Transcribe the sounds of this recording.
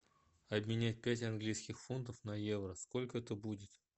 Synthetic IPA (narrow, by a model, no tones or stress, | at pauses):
ɐbmʲɪnʲæt̚ʲpʲætʲɐnɡlʲijskʲɪxfunt̪̬əfnɐjevrəsko̞lʲkəɛt̪əbudʲɪt̪